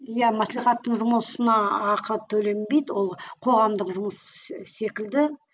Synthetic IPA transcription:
jæmæsliχɑt̪ːəɴʒʊməsənɑːqʰət̪ʰɵle̞mbe̞jd̪wo̞lˠqʰo̞ʁɑmd̪əqʒʊməsse̞kʲɪld̪ɪ

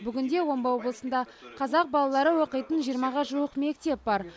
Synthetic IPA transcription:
bʏɡʲɪnd̪e̞wo̞mbɑwo̞blˠəsənd̪ɑ | qʰɑzɑq̚bɑlˠɑlˠɑɾəwo̞qəjt̪ənʒijəɾmɑʁɑʒuwəqme̞k̚t̪e̞p̚bɑɾ

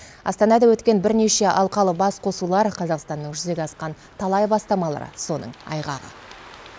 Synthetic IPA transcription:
ɑ̰st̪ɑnɑd̪ɑwɵt̪kʲe̞nbɪɾne̞ʃe̞ʔɑlˠqɑlˠəbɑsqʰo̞sulˠɑɾqʰɑzɑqst̪ɑnːəɴʒʏze̞ɡʲeɑsqɑn | t̪ʰɑlˠɑjbɑst̪ɑmɑlˠɑ̰ɾə̰so̞nə̰ɴɑ̰jʁɑʁə̰

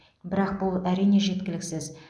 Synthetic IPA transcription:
bɪɾɑq̚bʊlˠæɾijne̞ʒe̞t̪kʲɪlɪksɪz

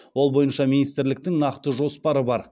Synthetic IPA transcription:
wo̞lˠbo̞jənʃɑminijst̪ɪɾlɪk̚t̪ɪŋnɑqt̪əʒo̞spɑɾəbɑɾ

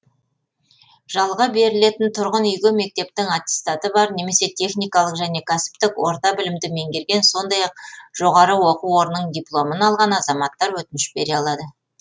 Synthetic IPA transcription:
ʒ̥ɑlˠʁɑbe̞ɾɪle̞t̪ɪnt̪ʰʊɾʁənʏjɡʲɪme̞k̚t̪e̞p̚t̪ɪŋat̪ʲi̥st̪at̪əbɑɾne̞me̞se̞t̪ʲʰe̞χnijkɑlˠəqʒæne̞kʲʰæsɪ̥pt̪ɪkwo̞̰ɾt̪ɑbɪlɪmd̪ɪme̞ŋɡʲe̞ɾɡʲe̞nso̞nd̪ɑjɑq̚ʒ̥o̞ʁɑɾəwoquo̞ɾnːəɴd̪ʲiplˠo̞mənɑlˠʁɑnɑzɑmɑt̪ːɑɾwɵt̪ɪnɪʃbe̞ɾeɑlˠɑd̪ə

